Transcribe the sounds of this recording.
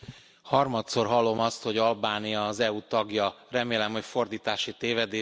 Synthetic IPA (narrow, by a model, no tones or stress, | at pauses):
hɒrmɒt̪so̞rɦɒlːo̞mɒst̪ho̞ɟɒlbaːnijɒːzɛuːt̪ɒɡjɒrɛmeːlɛmho̞cfo̞rd̪iːt̪aːʃit̪eːvɛd̪eː